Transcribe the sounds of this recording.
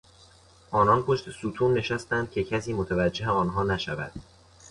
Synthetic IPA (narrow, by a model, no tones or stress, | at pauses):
ʔɒːnɒnpʰo̞ʃt̪esuːt̪ʰuːnːe̞ʃæst̪ænd̪̥̚cʲʰe̞cʰæsiːmot̪ʰævæd͡ʒːe̞ɦeɒːnɦɒːnæʃævæ̰d̪̥